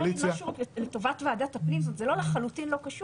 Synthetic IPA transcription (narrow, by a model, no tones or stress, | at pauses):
lit͡sjaʃuʁkleto̞vatvaːdatapnimzot̪zelo̞leχalutinlo̞kaʃu